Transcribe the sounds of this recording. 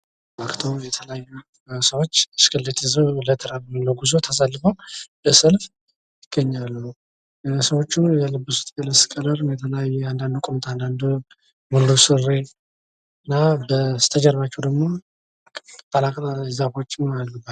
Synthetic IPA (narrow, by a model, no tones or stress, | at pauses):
makt̪ʰowjɛt̪ʰələjajːu | səwot͡ʃːɨskʰɨldet̪ʰɨzələt̪ʰəɾaluləɡuzot̪ʰas̬alːɨfəwbəsəlf | jjɪɡ̥əɲːalːu | səwo̞t͡ʃːujɛləbːəsu̥t̪ʼkʼələskʼələɾɨmjɛt̪ʰələjajːɛand̪and̪ukʼomt̪ʰand̪and̪u | muldusɨre | ɨnːabət̪ʰəd͡ʒɛɾβat͡ʃːɛwd̪əɡmo̞ | t̪ʼːalakʼt̪azafo̞t͡ʃːɪmalːuba